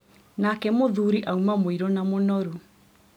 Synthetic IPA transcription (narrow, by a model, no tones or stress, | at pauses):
nakɛmoðuɾiʔaumamoiɾɔnamonɔɾu